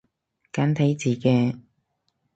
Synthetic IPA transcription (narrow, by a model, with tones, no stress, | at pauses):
kaː˨˥nt̪ʰɐ˨˥jt͡siː˨˩kɛː˧